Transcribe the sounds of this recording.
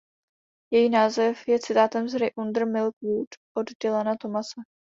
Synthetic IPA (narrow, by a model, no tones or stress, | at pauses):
jɛjinaːzɛfjɛt͡sɪt̪aːt̪ɛmzɾɪʔund̪r̩mɪlkvuːtʔodɟɛlɛnat̪o̞masɛ